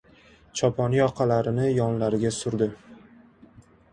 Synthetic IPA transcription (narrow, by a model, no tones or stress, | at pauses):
t͡ʃʰɒpʰɒnijɒqʰalaɾɪnɪjɒnlaɾɪɡʲasʊɾd̪ɪ